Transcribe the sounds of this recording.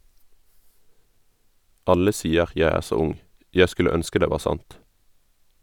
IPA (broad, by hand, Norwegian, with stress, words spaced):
ˈɑlə ˈsiːəʁ ˈjæ ˈæː ˈʃoː ˈʊŋ ˈjæ ˈskʉlə ˈœnskə ˈdeː ˈʋɑː ˈsɑnt